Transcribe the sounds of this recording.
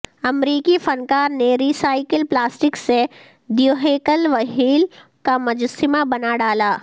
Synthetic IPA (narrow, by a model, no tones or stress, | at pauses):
ɐmɾiːkifʰɐnkaːɾneɾiːsaːɪkəlplaːsʈɪkse | ɖijoːɦeːkəlʋɐɦʰiːl | kamɐd͡ʒʊsɪmabɐnaɖaːlaː